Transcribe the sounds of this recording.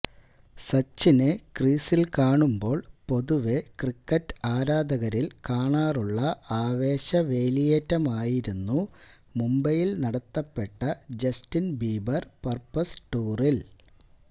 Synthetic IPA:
sɐt͡ɕːinekriːsilkaːɳumbo̞ːɭpo̞ðuʋekrikːɐtːaːɾaːd̪ɐɣɐɾilkaːɳaːruɭːɐaːʋe̞ːɕɐʋe̞ːlijɐtːɐmaːjiɾunːu | mumbɐjilnɐɽɐt̪ːɐpːe̞ʈːɐd͡ʑɐstinbiːbɐrpɐrpːɐsʈuːril

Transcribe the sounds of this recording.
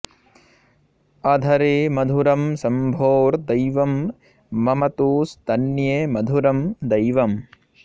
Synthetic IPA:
ɐd̪ʱɐɾeːmɐd̪ʱuɾɐmsɐmbʱoːɾd̪ɐjʋɐmː | ɐmɐt̪uːsd̪ɐnjemɐd̪ʱuɾɐmd̪ɐjʋɐm

